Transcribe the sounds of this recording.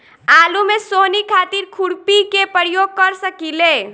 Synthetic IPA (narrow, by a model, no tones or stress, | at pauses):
alumesonikʰat̪iɾkʰuɽpikepəɾijoɡ̚kəɾsəkile